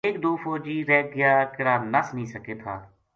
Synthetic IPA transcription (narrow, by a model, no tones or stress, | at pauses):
eːkd̪oːfʰoːd͡ʒiːɾɛːɡɪjaːkɪɽaːnəsnĩːsəkeːt̪ʰa̰ː